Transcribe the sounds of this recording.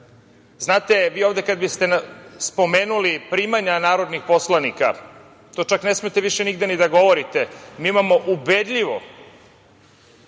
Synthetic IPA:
znaːt̪e̞ʋiːoʋd̪e̞kad̪bist̪e̞nspo̞me̞ːnulipɾiːmaɲanaːɾo̞d̪nixpo̞slˠanika̰ | t̪ot͡ʃakne̞smet̪eʋiʃeniɡd̪enid̪aɡo̞ʋo̞ɾit̪e̞miːimamo̞ʔubed̪ʎiʋo̞̰

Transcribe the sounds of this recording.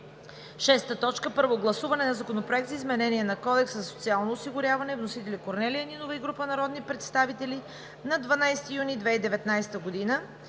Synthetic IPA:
ʃɛst̪ət̪ɔt͡ʃkəpəɾvoɡlˠɐsuvɐnɛnɐzɐkonopɾoɛk̚t̪zəizmɛnɛniɛnɐkɔd̪ɛkszɐso̥t̪sialˠnoːsiɡʊɾʲjavɐnɛvnosit̪ɛlikoɾnɛliəninovəiɡɾupənɐɾɔd̪nipɾɛt̪st̪avit̪ɛli | nɐd̪vɐnajsɛ̥t̪ijunid̪vɛid̪ɛvɛt̪najsɛ̥t̪əɡod̪inə

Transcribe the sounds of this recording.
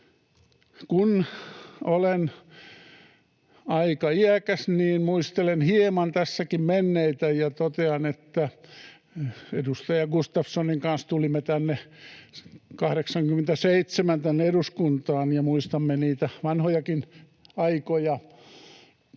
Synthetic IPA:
kun | olen | ɑikɑiækæsniːnmuist̪elenhiemɑnt̪æsːækimmenːeit̪æjɑt̪ot̪eɑnet̪ːæ | edust̪ɑjɑɡust̪ɑfsoniŋkɑnst̪ulimːet̪ænːe | kɑhɾeksɑŋkymĕnt̪æseit̪semænt̪ænːeeɾuskunt̪ɑːnjɑmuist̪ɑmːeniːt̪æʋɑnhojɑkin | ɑikojɑ

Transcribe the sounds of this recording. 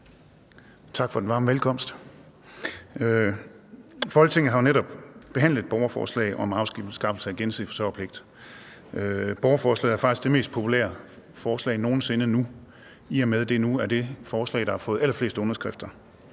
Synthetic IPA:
t͡sʰɑ̈ɡ̥fɒ̽d̥enʋɑ̈ːmʋelkʰɒ̽m̰sd̥ | ø | fɒ̽lɡ̥t͡sʰe̝ŋn̩ɦɑ̈neɾɒ̽b̥b̥e̝ɦæn̰lðˠedb̥ɒʊɐfɒ̰ːslɛ̰ɪʔɒ̽mɑ̈ʊsɡ̥ifsɡ̥ɑ̈fl̩səæɡ̥ensið̩̰ˠfɒ̽sɒ̰ːpʰle̝ɡ̥̚d̥ | øb̥ɒʊɐfɒːslɛ̰ð̩ˠæɐfɑ̈ɡ̥isɡ̥d̥eme̝ːsd̥̚pʰo̝pʰulḛːɐ | fɒːslɛ̰ɪno̝ːn̩se̝nənu | iɒmeð̞ˠd̥e̝nuæɐde̝fɒːslɛ̰ɪ̥ɑ̈hɑ̈fɔ̽ːð̩ˠælɐfle̝̰ːsd̥ɔ̽nɐsɡ̥ʁɛfd̥ɐ

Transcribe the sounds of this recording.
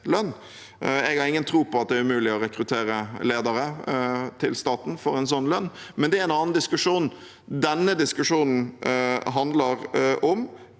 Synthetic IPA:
lœnː | ɛɡɑɾɪŋːənt̪ʰɾuːpɔɑt̪̚d̪ɛæɾʉmʉːlɪɔɾɛkɾʉt̪ʰeːɾəleːd̪əɾət̪ʰɪlst̪ɑːt̪n̩fɔɾɛnsɔnːlœnːmɛnd̪ɛæɾɛnɑːnn̩d̪ɪskʉʂuːn̩ | d̪ɛnːəd̪ɪskʉʂuːnn̩ɦɑnd̪ləɾɔm

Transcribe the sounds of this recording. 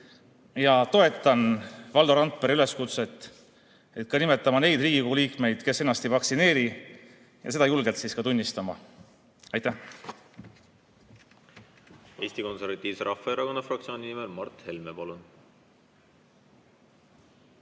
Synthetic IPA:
jɑt̪o̞e̞t̪ːˑɑnvɑld̪o̞ɾɑnt̪̚peɾyle̞skut̪se̞t̪ːˑ | e̞t̪̚kɑnime̞t̪ːˑɑmɑne̞jd̪riːɡikuliːkme̞jd̪̥ke̞se̞nɑst̪ivɑksine̞ːɾi | jɑ̰se̞d̪̥ɑjulɡ̥elt̪siskɑt̪unʲːist̪ɑmɑ̰ | ɑjt̪æh | e̞ːst̪iko̞nse̞ɾvɑt̪ʲːˑiːvseɾɑfːɑeɾɑko̞nːɑfrɑk̚t̪sio̞ːnʲinimelmɑrt̪he̞lmepɑlun

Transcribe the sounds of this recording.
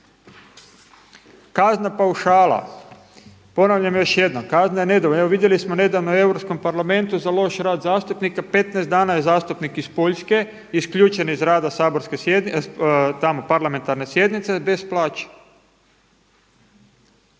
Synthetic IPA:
kaznapauʃaːlˠa̰ | po̞naʋʎamjo̞ʃje̞d̪nokaznajene̞d̪ooeoʋid̪je̞lismone̞d̪aʋnoe̞wɾopsko̞mpaɾlame̞nt̪uzalo̞ʃɾaːd̪zaːst̪upnikape̞t̪nɛezd̪d̪aːnajezaːst̪upnikispo̞ʎske̞ | iskʎuːt͡ʃe̞nizɾaːd̪asaːboɾske | t̪amo̞paɾlame̞nt̪aɾne̞sje̞d̪nit̪sebe̞splˠaːt͡ʃe̥

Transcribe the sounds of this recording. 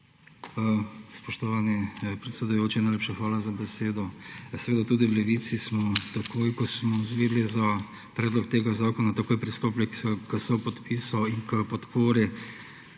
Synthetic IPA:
spɔʃt̪ɔʋaːnipɾɛt̪sɛd̪ʊjoːt͡ʃinajleːpʃaxʋaːlazabɛseːd̪ɔsɛʋeːd̪at̪uːd̪iwlɛʋit̪sismɔt̪akʰojkɔsmɔzʋeːd̪liza | pɾɛːd̪lɔkt̪eːɡazaːkɔnat̪akoːjpɾist̪oːplʲɛksɔkəsɔwpɔt̪piːsɔiŋkəpɔt̪poːɾi

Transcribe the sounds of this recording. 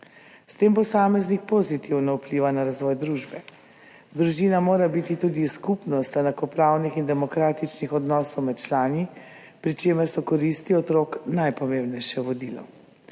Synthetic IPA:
st̪eːmpɔsaːmɛznik̚pozit̪iwnaupliːʋanaɾazʋɔjd̪ɾuʒbɛ | d̪ɾuʒiːnamoːɾabit̪it̪uːd̪iskupnɔst̪ɛnakɔpɾawnixind̪ɛmɔkɾaːt̪it͡ʃnixɔd̪nɔsɔwmɛt̪t͡ʃlaːni | pɾit͡ʃeːmɛɾsɔkɔɾist̪iɔt̪ɾoːknajpɔmemnɛjʃɛʋɔd̪ilɔ̰

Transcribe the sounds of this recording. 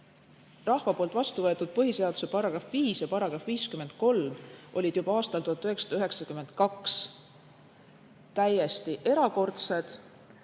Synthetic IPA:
rɑhvɑpolt̪vɑst̪uvɤ̞e̞t̪ːˑud̪̥̚pɤɦise̞ɑd̪̥u̥se̞pɑɾɑɡ̥ɾɑfviːsjɑpɑɾɑɡ̥ɾɑfviːskymend̪̥̚ko̞lmʔo̞lʲid̪̥jubɑɑːst̪ɑlt̪uhɑt̪ːˑyhɦe̞ksɑ̥d̪ɑyɦe̞ksɑkyme̞nd̪̥kɑks | t̪æje̞st̪iʔe̞ɾɑko̞rt̪se̞d̪̥

